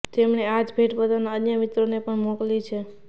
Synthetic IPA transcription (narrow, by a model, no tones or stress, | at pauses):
t̪emɳead͡ʒbʱeʈbəd̪ʱanaənjəmit̪ɾonepəɳmoklit͡ʃʰe